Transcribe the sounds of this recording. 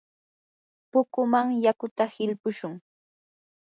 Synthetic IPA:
pʊkʊmaŋjakʊt̪ahɪʎpʊʃʊŋ

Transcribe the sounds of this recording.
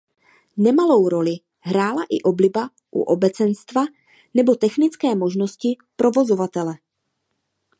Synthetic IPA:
nɛmalo̞wɾo̞lɪ | ɦɾaːlaʔɪʔo̞blɪba | ʔṵʔobɛt͡sɛnst̪va | nɛbo̞t̪ɛxnɪt͡skɛːmo̞ʒno̞scɪ | pɾʔo̞vo̞zo̞vat̪ɛlɛ

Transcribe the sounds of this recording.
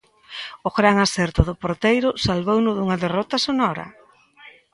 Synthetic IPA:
ʊɣɾaŋasɛɾt̪ʊðʊpoɾt̪ejɾʊsalβownʊðuŋɐðerɔt̪ɐsonɔɾɐ̰

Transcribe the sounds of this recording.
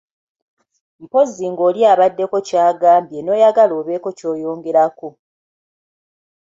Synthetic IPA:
m̩po̞ziŋɡo̞ːliaːβadːe̞ko̞caːɡaːmbje̞no̞ːjaɡaloːβe̞ko̞co̞ːjo̞ːŋɡe̞ɾako

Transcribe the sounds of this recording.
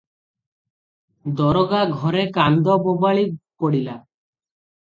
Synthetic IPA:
d̪ɔɾɔɡaɡʱɔɾekand̪ɔbɔbaɭipɔɽila

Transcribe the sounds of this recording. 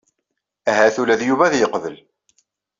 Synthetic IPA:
æɦæθulæðjuvæðjəqvəl

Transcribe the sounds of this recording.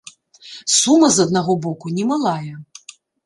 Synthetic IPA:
sumɐzɐd̪naɣɔbɔkunʲɛmalˠajɐ

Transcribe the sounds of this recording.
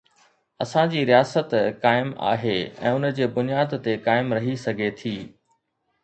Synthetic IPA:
ɐsãd͡ʑiːɾijaːsət̪kaːɪma̰ːɦeɛ̰̃ːʊnəd͡ʑeːbʊnijaːd̪t̪ekaːɪmɾɐɦisɐɡʱet̪ʰiː

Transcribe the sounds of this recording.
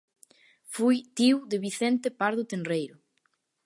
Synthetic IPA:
fujt̪iwðeβiθent̪epaɾðʊt̪enrejɾʊ

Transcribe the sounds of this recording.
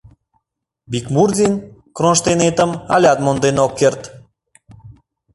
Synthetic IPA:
bikmurd̪ʲinkɾonʃt̪enet̪əmɑ̰lʲɑt̪mond̪enokːert̪

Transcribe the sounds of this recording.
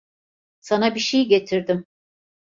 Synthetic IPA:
sanabiʃejɟet̪ʰiɾd̪ɪm

